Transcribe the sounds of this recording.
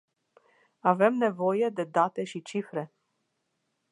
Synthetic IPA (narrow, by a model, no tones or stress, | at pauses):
ave̞mne̞vo̞je̞d̪e̞d̪at̪e̞ʃit͡ʃifɾe̞